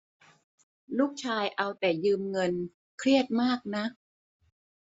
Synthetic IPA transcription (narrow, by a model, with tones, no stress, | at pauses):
luː˥˩k̚t͡ɕʰaː˧jʔa˧wt̪ɛː˨˩jɯː˧mŋɤ˧n | kʰɾi˥˩ət̪̚maː˥˩k̚na˦˥ʔ